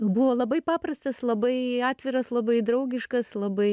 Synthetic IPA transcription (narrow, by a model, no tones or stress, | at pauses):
buʋoːlˠɐbɐɪpɑːprɐst̪ɐslˠɐbɐɪɑːt̪ʲʋʲɪɾɐslˠɐbɐɪd̪ɾɐʊɡʲɪʃkɐslˠɐbɐɪ